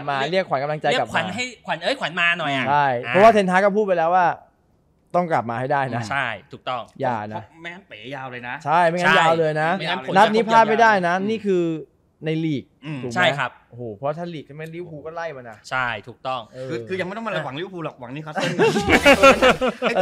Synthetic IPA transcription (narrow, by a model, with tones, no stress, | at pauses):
p̚maː˧li˥˩əkʰwa˩˦nka˧mla˧ŋt͡ɕa˧jka˨˩kʰwa˨˦nɦa˥˩jkʰwa˨˦nʔɤː˧˥˩jkwa˨˦nmaː˧nɔ˨˩jʔat͡ɕt͡ɕʰa˥˩jpʰɔ˦˥waː˥˩t̪ʰeː˧nt̪ʰaː˦˥kɔ˥˩pʰuː˥˩t̪̚pa˧jlɛː˦˥waː˥˩ | t̪ɔ˥˩ŋkla̰˨˩p̚maː˧ha˥˩jdaː˥˩jna˦˥t͡ɕʰa˥˩jt̪ʰuː˨˩k̚t̪ɔ˥˩ŋjaː˧˩na˦˥ma˥˩a˥˩peː˨˦jaː˧wlɤː˧jna˦˥t͡ɕʰa˥˩jma˥˩˨ŋaː˦˧˥jaː˧wlɤː˧jna˦˥˧a˦˥˨na˦˥t̪̚niː˦˥pʰaː˥˩ma˥˩jdaː˥˩jna˦˥niː˥˩kʰɯː˧ | na˧jliː˨˩k̚ːt̪ʰuː˨˩kt͡ɕʰa˦˥˩jkʰa˦˥p̚ʔo˧hoː˨˩pʰɔ˦waː˥˩t̪ʰa˥˩liː˨˩˧ma˧˥˩li˦˥˩wpʰuː˧kɔː˥˩la˥˩jma˧nːʔa˨˩t͡ɕʰa˥˩jt̪ʰuː˨˩k̚t̪ɔ˥˩ŋʔɤː˧ɯː˧kʰɯː˧ja˨˧ŋm˥˩t̪ɔ˥˧ma˧la˧wa˩˦ŋli˦˥˩wpuː˧lɔ˨˩k̚wa˨˩˦ŋniː˦˥˩kʰa˧˥˩